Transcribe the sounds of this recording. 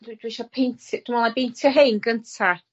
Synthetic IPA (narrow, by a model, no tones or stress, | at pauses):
dd̥wiʃɔpʰejntʰd̥umɔlˠabejntʰjɔɦejnɡəntʰa